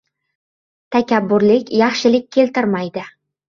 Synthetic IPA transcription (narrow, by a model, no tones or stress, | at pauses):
t̪ʰakʲabːʊɾlɪkʲjɑχʃɪlɪk̚ʲʰːe̞lt̪ɪɾmajd̪ɪ